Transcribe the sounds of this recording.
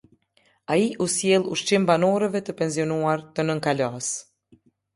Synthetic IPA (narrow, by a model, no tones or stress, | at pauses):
aiʔusjɛlˠuʃt͡ʃimbanɔɾɛvɛt̪əpɛnziɔnuaɾt̪ənəŋkalas